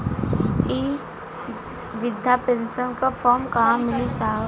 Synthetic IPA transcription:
iː | ʋɪd̪ʱjapẽnsənkafʰɔːɾmkaːmːɪlisaː

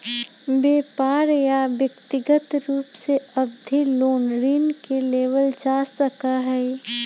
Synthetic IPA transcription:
beːpaːɾjaʋjɐkt̪ɪɡət̪ɾuːpseɐbd̪ʱiloːnɾiːnkeleːʋəld͡ʒaːsəkaɦɛː

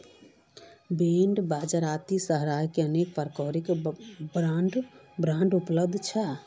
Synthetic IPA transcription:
beːɳɖbaːd͡ʒəɾaːt̪isəɦɾaːjkeəneːk̚pəɾkɔːɾikbɾaɳɖbɾãːɳɖʊpləb̚d̪ʱt͡ʃʰə

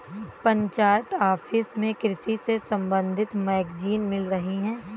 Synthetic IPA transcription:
pɐ̃ɲt͡ʃaːt̪aːfʰɪsmẽkɾɪsisesɐ̃mbə̃nd̪ʱɪt̪mɛːkd͡ʒiːnmɪlɾɐɦiɦɛ̃ː

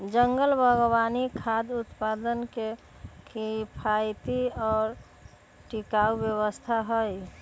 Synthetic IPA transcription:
d͡ʒəŋɡəlbʱəɡobanikʰad̪ut̪pad̪ənke | kʰipʰajt̪iɔːɾ | ʈikaubjəwəst̪ʰaɦəj

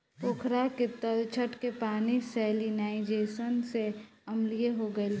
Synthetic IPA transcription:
pokʰɾaket̪əlt͡ʃʰəʈkepaːnisɛːlinaːɪd͡ʒeːsənseɐmlijeɦoɡəel

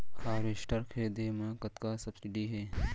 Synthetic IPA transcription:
xaːɾɪʃʈɐɾkɦɛːd̪eːmãːkɐt̪kasɐb̥sɪɖiɦɛː

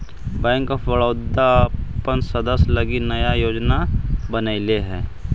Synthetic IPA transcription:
bɛ̃ːŋkfʋɐɭoːd̪apənsɐd̪əslɐɡinɐjajoːd͡ʒnabənəileɦɛː

